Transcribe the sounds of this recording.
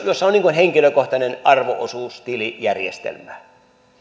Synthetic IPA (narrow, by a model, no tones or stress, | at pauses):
josːɑoniːŋkunheŋkiløkoht̪ɑnenʔɑrʋo̰ʔo̰suːst̪ilijærjḛst̪ḛlmæ